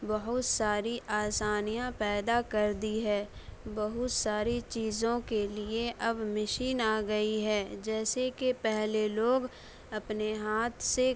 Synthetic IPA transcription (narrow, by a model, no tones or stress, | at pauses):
bɐɦʊt̪saːɾiʔaːsaːnijãpɛːd̪akɐɾd̪iɦɛːbɐɦʊt̪saːɾit͡ʃiːzõkelieʔɐbmɪʃiːnaːɡɐiɦɛːd͡ʒɛːsekepɛɦleloːɡ | ɐpneɦaːt̪ʰse